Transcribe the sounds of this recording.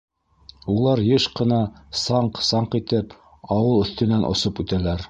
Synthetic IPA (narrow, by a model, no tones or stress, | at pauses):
ulˠɑɾjɤʃqɤ̆nɑsɑɴqsɑɴqit̪ɘp | ɑwɤlˠɵ̆θt̪ɘ̆nænʔŏ̰sopʉt̪ælæɾ